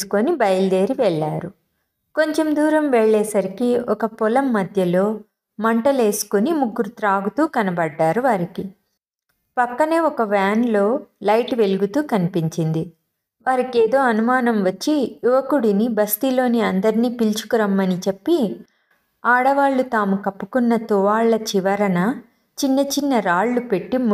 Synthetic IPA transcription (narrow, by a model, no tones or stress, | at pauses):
su̥konibɐjld̪e̞ːɾiʋɛɭːaːɾu | ko̞ɲt͡ʃe̞md̪uːɾɐmʋɛɭːɛːsɐɾikiɔkɐpɔlɐmːɐd̪ʱjɐlo̞ː | mɐɳʈɐle̞ːsu̥kunimuɡːuɾut̪ɾaːɡut̪uːkɐnɐbɐɖːaːɾuʋaːɾiki | pɐkːɐne̞ːɔkɐʋaːnlo̞ːlɐjʈʋe̞luɡut̪uːkɐnipiɲt͡ʃind̪i | ʋaːɾikeːd̪o̞ːɐnumaːnɐmʋɐt͡ʃːijuʋɐkuɽinibɐst̪ilo̞ːniɐnd̪ɐɾiniːpilt͡ʃu̥kuɾɐmːɐnit͡ʃe̞pːi | aːɽɐʋaːɭːut̪aːmukɐpːu̥kunːɐt̪uʋaːɭːɐt͡ʃiʋɐɾɐnɐ | t͡ʃinːɐt͡ʃinːɐɾaːɭːupe̞ʈːim